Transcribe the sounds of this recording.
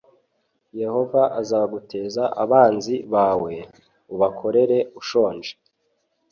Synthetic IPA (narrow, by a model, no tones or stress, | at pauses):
je̞ho̞vaʔazaːβaɡutʰe̞ːzaʔaβaːnziβaːwe̞ | uβakʰo̞ɾe̞ɾe̞uʃo̞ːnʒe̥